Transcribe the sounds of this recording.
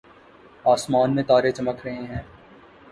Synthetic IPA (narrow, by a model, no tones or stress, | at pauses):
aːsmaːnmẽt̪aːɾet͡ʃɐməkʰɾɐɦẽɦɛ̃ː